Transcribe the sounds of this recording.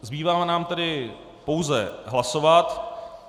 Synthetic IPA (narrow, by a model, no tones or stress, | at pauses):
zbiːvaːmnaːmt̪ɛdɪ | po̞wzɛɦlaso̞vat̪